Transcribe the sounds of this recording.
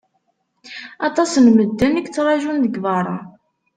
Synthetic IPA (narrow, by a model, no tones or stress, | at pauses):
ɑt̪ˤɑsənməd̪ːænəkt͡sːɾˤɑʒunðəɡvɑɾˤɑ